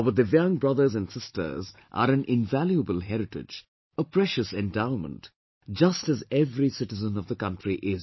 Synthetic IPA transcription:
bəd̪əvjʌ̃ŋbɹʌðə˞zæ̃nsɪstə̰˞zʔə̰ɾæ̃nʔɪ̃nvæljuəbəlˠɦɛɾɪʈɪ̰d͡ʒ | əpʰɹɛʃɨsɛ̃ndãʊ̃nmə̰̃nt | d͡ʒʌstɨzɛvɾisɪʈɨzə̃nʌvd̪əkʌ̃ntɹiʔɪz

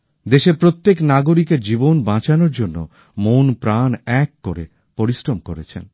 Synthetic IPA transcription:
d̪eʃeɾpɾot̪ːeknaɡoɾikeɾd͡ʑibonbãt͡ɕanoɾd͡ʑonːo̰ | monpɾanɛkːoɾe | poɾisɾomkoɾet͡ɕʰḛn

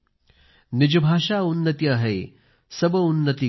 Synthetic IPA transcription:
nɪd͡ʒɐbʱaːʂaːunːɐt̪iɐɦej | sɐbɐunːət̪i

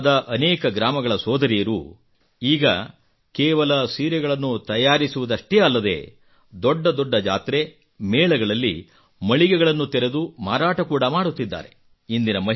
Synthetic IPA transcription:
d̪ɐʔɐneːkɐɡɾaːmɐɡɐɭɐsɔːd̪ɐɾijɐɾu | iːɡɐ | kɛːʋɐlɐsiːɾɛɡɐɭɐnːut̪ɐjaːɾisuʋud̪ɐʂʈeːɐlːɐd̪e̞̰ː | d̪ɔɖːɐd̪ɔɖːɐd͡ʒa̰ːt̪ɾe̞ | mɛːɭɐɡɐɭɐlːḭ | mɐɭiɡɛɡɐɭɐnːut̪ɛɾe̞d̪uma̰ːɾaːʈɐkuːɽɐmaːɽut̪ːid̪ːa̰ːɾe̞̰ | ind̪inɐmɐɦ

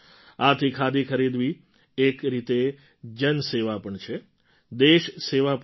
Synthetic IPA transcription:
at̪ʰikʰad̪ikʰəɾid̪ʋiː | kɾit̪e | d͡ʒənseʋapəɳt͡ʃʰe | d̪eʃseʋap

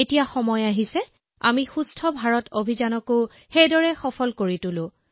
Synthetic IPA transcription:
etijaxɔmɔjaɦisɛ | a̰mixustʰɔbʱaɹɔtobʱizanɔko | xejdɔɹɛxɔpʰɔlkoɹitʊlʊ̃

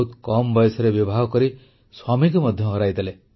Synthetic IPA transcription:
ut̪kɔmbɔjsɔɾebibʱaɦɔkɔɾi | swamikɔmɔd̪ʱjɔɦɔɾajd̪ale

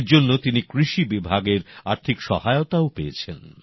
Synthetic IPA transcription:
ɾd͡ʑonːot̪inikɾiʃibibʱaɡeɾaɾt̪ʰikʃɔ̰haeot̪aopeet͡ɕʰen

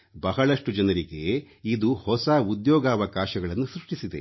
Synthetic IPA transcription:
bɐɦɐɭɐʂʈud͡ʒɐnɐɾiɡe̞ | id̪uhɔsɐud̪jɔːɡɐːʋɐkaːʃɐɡɐɭɐnːusɾuʂʈisid̪e̞̰

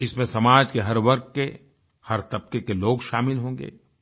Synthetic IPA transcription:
ɪsmẽsɐmaːd͡ʒkeɦɐɾʋɐɾkke | hɐɾt̪ɐb̚kekeloːɡʃaːmɪlɦõːŋɡḛː

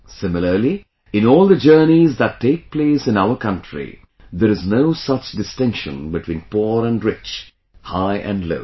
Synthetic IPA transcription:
sɪ̃mɪləli | ɪ̃nɔːlˠd̪əd͡ʒɜːnizd̪ætʰːeːk̚pleːsɨ̃naʊəkʌ̃ntʰɹḭ | ðəɾɨznoʊsʌt͡ʃdɨstɪ̃ŋkʃə̰̃nbɨtʰw̥ĩːnpɔɾæ̃nɹɪt͡ʃ | haɪʔæ̰̃ndlo̰ʊ

